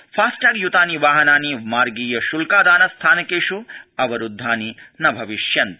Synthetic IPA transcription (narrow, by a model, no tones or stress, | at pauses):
fʰaːsʈɐːɡjut̪aːniʋaːɦɐnaːnimaːɾɡiːjɐʃulkaːd̪aːnɐst̪ʰaːnɐkeːʂuɐʋɐɾud̪ʱːaːninɐbʱɐʋiʃjɐnt̪